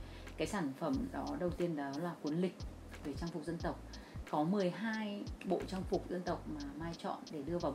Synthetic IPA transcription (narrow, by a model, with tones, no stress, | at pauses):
kaː˨˦jsaː˧˩nfə˧˩mɗɔ˨˦ɗə˨˩wt̪i˧ənɗɔ˨˦laː˨˩kwi˨˦nlï˨˩k̚ | ve˧˩t͡ɕaː˧ŋfʊ˨˩k͡p̚zə˧nt̪ə˨˩wk͡p̚ | kɔ˨˦mɨ˨˩əjɦaː˧jɓo̰˧˨t͡ɕaː˧ŋfʊ˨˩k͡p̚zə˧nt̪ə˨˩wk͡p̚maː˨˩maː˧jt͡ɕɔ̰˧˨nɗe˧˩ɗɨ˧əvaː˨˩